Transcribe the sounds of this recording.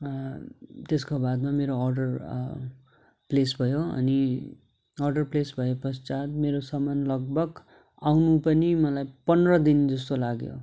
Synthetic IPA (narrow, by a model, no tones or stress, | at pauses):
t̪eskobad̪mameɾoʌrɖʌr | plesbʱʌjoʌ̰ni | ʌrɖʌrplesbʱʌjepʌst͡sat̪meɾosʌmanlʌɡ̚bʱʌɡ | awnupʌnimʌlajpʌnrʌd̪ind͡zʌst̪olaɡjo̰